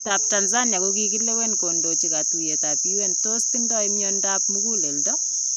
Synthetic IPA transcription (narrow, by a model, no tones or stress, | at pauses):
tap̚tanzanjakukikilːewenkondot͡ʃikatijetatiwentostindɔimjɔndapmukuleldɔ